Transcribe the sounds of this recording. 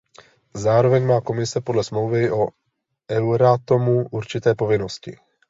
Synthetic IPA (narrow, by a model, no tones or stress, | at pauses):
zaːɾovɛɲmaːko̞mɪsɛpodlɛsmlowvɪʔo | ʔɛwɾat̪omuʔuɾt͡ʃɪt̪ɛːpo̞vɪnoscɪ̰